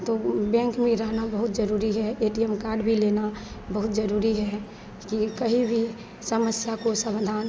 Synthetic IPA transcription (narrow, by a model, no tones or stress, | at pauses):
t̪obɛ̃ŋkmẽɾəɦnabəɦʊt̪̚d͡ʒəɾuɾiɦɛeʈijɛmkaːɾɖbʱilenabəɦʊt̪d͡ʒəɾuɾiɦɛ | kikəɦĩbʱi | səməsjakosəbd̪ʱaːn